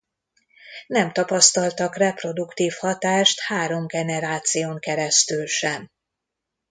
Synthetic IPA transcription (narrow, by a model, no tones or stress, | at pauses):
nɛmt̪ɒpɒst̪ɒlt̪ɒkrɛpro̞d̪ukt̪iːfhɒt̪aːʃt̪haːɾo̞mɡɛnɛɾaːt̪sijoːŋkɛɾɛst̪ylʃɛm